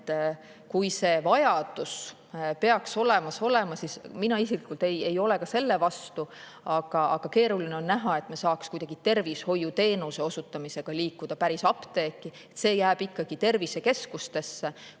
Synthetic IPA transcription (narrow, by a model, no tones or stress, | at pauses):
t̪ː | kujse̞ːvɑjɑd̪̥us | pe̞ɑkso̞le̞mɑso̞le̞mɑsisminɑisiklikːult̪e̞je̞jo̞le̞kɑse̞lːe̞vɑst̪u | ɑɡ̥ɑɑɡ̥ɑke̞ːɾulineo̞nːæɦɑe̞t̪ːˑmesɑːkskujd̪ɑɡ̥it̪e̞rvisho̞jːut̪e̞ːnuse̞o̞sut̪ːˑɑmise̞ɡ̥ɑliːkːˑud̪̥ɑpæɾisɑpt̪e̞ːkːˑiet̪se̞ːjæːb̥ikːˑɑɡ̥it̪e̞rvise̞ke̞skust̪e̞sːe